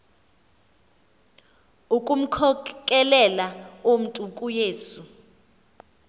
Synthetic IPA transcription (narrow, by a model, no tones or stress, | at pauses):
ukʼum̩kʰɔkʼɛlɛlaom̩tʼukʼujeːsu